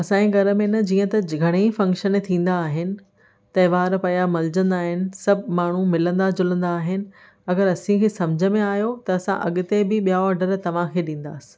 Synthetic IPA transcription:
ɐsãẽɡʱɐɾə̆mẽnəd͡ʑiːə̃t̪ɐɡʱɐɽ̃efɐ̃ŋkʃənt̪ʰĩːn̆d̪aːɦɪnɪ̆ | t̪ɐɪʋaːɾpɐjamɐld͡ʑə̃nd̪aːɦɪnɪ̆sɐbʱɪmaːɳ̤umɪlə̃nd̪ad͡ʑʊlə̃nd̪aːɦɪnɪ̆ | ɐɡəɾɐsĩkʰeːsɐ̃md͡ʑʱəmẽaːjot̪ɐɐsã̰ʔɐ̰ɠʊt̪ebɪɓijaɔɾɖəɾt̪ɐʋ̤ãkʰeːɗĩːn̆d̪a̰ːsɪ̥̆

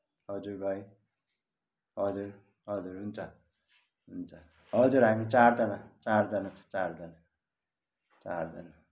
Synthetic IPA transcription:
ɦʌd͡zuɾbʱʌj | ɦʌd͡zur | ɦʌd͡zuɾɦunt͡sʰʌ | ɦunt͡sʰʌ | ɦʌd͡zuɾɦamit͡sard͡zʌnat͡sard͡zʌnat͡sʰʌ̥t͡sard͡zʌna | t͡sa̰rd͡zʌna

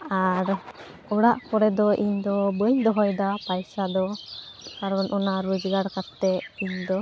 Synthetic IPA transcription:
aɾ | ɔɽaʔkɔɾɛd̪ɔʔiɲd̪ɔbəɲd̪ɔɦɔjd̪apajsad̪ɔkaɾɔnʔɔnaɾud͡ʒɡaɽkat̪ːɛiɲd̪ɔ

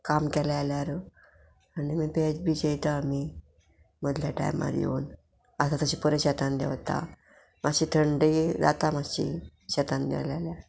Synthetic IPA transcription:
kamkɛlɛaljaɾə | animiːped͡ʑbiːd͡ʑejt̪amiː | məd̪ʱljaʈa̰jmːa̰ɾjḛun | əsat̪əɕipəɾeɕɛt̪and̪ɛ̰ʋt̪a̰ | maɕiːt̪ʰəɳɖid͡za̰t̪amaɕḭɕɛt̪and̪ɛ̰lalja

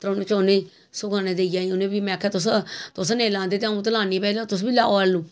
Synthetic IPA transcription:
t̪ɾonẽt͡ʃoːne | sʊɡaːnẽːd̪eːjaːĩʊnẽbimɛ̃kʰːɛt̪ʊs̬t̪ʊs̬nẽːlãːnd̪eːt̪ãːũt̪̬əlaːnĩːpɛːlat̪ʊs̬biːlaːoːaluː

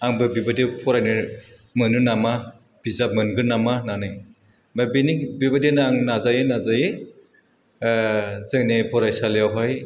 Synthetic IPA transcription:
aŋbɯbibadipʰɔɾajnɯ | mɯnunama | b̥izap̚mɯnɡɯɾnamananɯj | babinibibadenaŋnazajenazaje | zeŋnepʰɔɾajsalijawɦaj

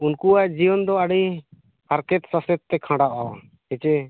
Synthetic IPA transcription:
unkuaʔd͡ʒijɔnd̪ɔaɽi | paɾkɛt̪sasɛt̪ːɛkʰãɽaʔawa̰ | hɛt͡ʃɛ

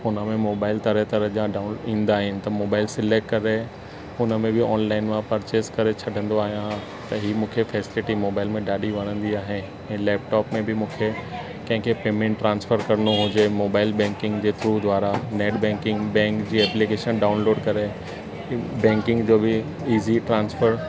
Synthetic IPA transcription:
ɦʊnəmẽmoːbaːɪlt̪ɐɾət̪ɐɾəʄãɖanĩːnd̪aːɦɪnɪ̆t̪ɐmoːbaːɪlsɪleːkʈkɐɾe | ʊnəmẽbɪɔːnlaːɪnmãpɐɾt͡ɕeːskɐɾet͡ɕʰɐɖʱə̃nd̪oaːɦijã | t̪ɐɦiːmũːkʰefɛːsɪlɪʈimoːbaːɪlmẽɗaːɗʱiʋɐnə̃nd̪iaːɦenɪ | ɛ̃ːlɛːp̚ʈɔːpmẽbɪmũːkʰe | kɐ̃ɦɪ̃kʰepeːmɛ̃ɳʈːɾãːnsfəɾkɐɾənoɦʊd͡ʑemoːbaːɪlbɛ̃ŋkɪ̃ŋɡd͡ʑeːt̪ɪɾud̪ʱʋwaːɾaneːɖbɛ̃ŋkɪ̃ŋɡbɛ̃ːŋkd͡ʑiːɛːplikeːʃənɖaːʊnloːɖkɐɾe | bɛ̃ːŋkɪ̃ŋɡd͡ʑoːbɪ | iːziʈɾãːnsfəɾ

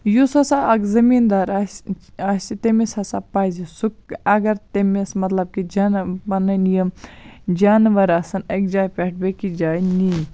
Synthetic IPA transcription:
jusɐsaʔɐɡzɐmiːnd̪aːɾasɐsʲit̪emesɐsapaːzisukɐɡɐɾt̪emesmɐt̪lɐb̚kid͡ʒaːnbɐnɐnijɐmd͡ʒaːnʋɐɾaːsɐnek̚d͡ʒaːjpeʈ̚bekid͡ʒaːjni

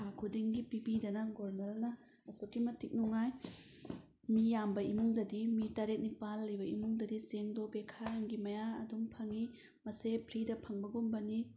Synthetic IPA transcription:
kʰakʰudiŋɡipibidɐnɐɡoɾmelnɐ | ɐsokːimɐtik̚nuŋaj | mijambɐimuŋdɐdimitaɾet̚nipalːibɐḭmuŋdɐdiseŋdobekʰaɾaŋɡimɐjaɐ̰duŋpʰɐŋi | mɐsepʰɾidɐpʰɐŋbɐɡumbɐni

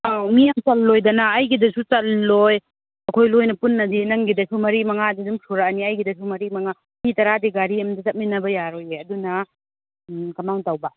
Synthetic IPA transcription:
awmijamt͡ʃɐlːojdɐnaːjɡidɐsut͡ʃɐllːoj | ɐkʰojlojnɐpunːɐdinɐŋɡidɐsumɐɾimɐŋadidumsuɾaniɐjɡidɐsumɐɾimɐŋa | mitɐɾadiɡaɾiɐmdɐt͡ʃɐt̚minɐbɐjaɾojeɐdunɐ | kɐmaŋtawba

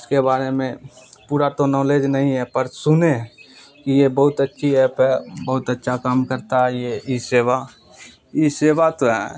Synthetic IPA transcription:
ʊskebaːɾemẽpuːɾat̪onɔːleːd͡ʒnɐɦĩɦɛpəɾsʊne | kijebɐɦʊt̪ətːʃʰiɛːpʰɦɛbɐɦʊt̪ətːʃʰakaːmkəɾt̪aɦɛjeiseːʋa | iseːʋat̪oɦɛ̰

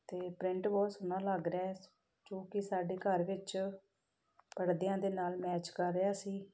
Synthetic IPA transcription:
t̪eːpɾɪ̃ɳʈbɔːt̪sʊnãːləɡɾɛː | d͡ʒõːkɪsaːɖeːkəɾʋɪt͡ʃ | pəɽd̪ejãːd̪eːnaːlmɛːt͡ʃkəɾːeaːsiː

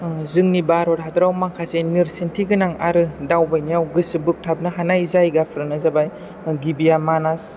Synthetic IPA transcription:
zɯŋnibaɾɔɾɦadɾawmakʰasenɯɾsintʰiɡɯnaŋa̰ɾɯdawbajnijawɡɯsɯbɯk̚tʰab̚naɦanajzajɡapʰɾɯnɯzabaj | ɡibijamanas

